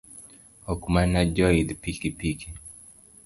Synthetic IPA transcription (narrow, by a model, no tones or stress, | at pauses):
ɔkumanad͡ʒɔid̪pikipiki